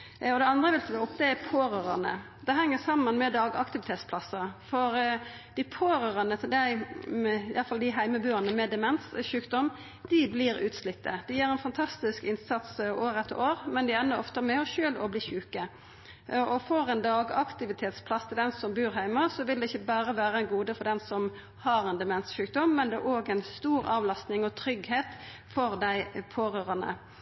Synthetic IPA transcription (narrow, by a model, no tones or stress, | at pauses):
ɔd̪ɛɑnd̪ɾəʋɪlsəɪʊp̚d̪ɛæpʰoːɾøːɾɑ̰nə̰ | d̪ɛɦɛŋːəsɑmːənmɛd̪ɑːɡɑ̰kt̪ɪʋɪt̪ʰeːt̪spʰlɑsːəfɔɾ | d̪̥ɪpʰoːɾøːɾɑnət̪ʰɪld̪æɪ | ɪjʔɑlfɑld̪ɪɦæɪməbʉːənəmɛd̪ɛmɛnt̪sɕʉːkd̪ɔm | d̪̥ɪblɪɾʉ̰ːt̪slɪt̪ːəd̪̥ɪjiːɾɛnfɑnt̪ʰɑst̪ɪskɪnsɑt̪soːɾɛt̪ːoːɾmɛnd̪ɪɛnːəɾɔft̪əmɛɔɕøːlɔbliːçʉːkə | ɔfɔɾɛnd̪ɑːɡɑkt̪ɪʋɪt̪ʰeːt̪spʰlɑst̪ʰɪld̪ɛnsɔmbʉːɾɦæɪməʁsɔʋɪld̪ɛɪçːəbæːɾəʋæːɾəɛnɡuːd̪əfɔd̪ɛnsɔm | hɑɾɛnd̪ɛmɛnsʃʉːk̚d̪ɔmːɛnd̪ɛæɾʔoːɡæɪnst̪uːɾɑːʋlɑst̪nɪŋɔt̪ʰɾʏɡheːt̪ | fɔʁd̪æɪpʰoːɾøːɾɑnə̰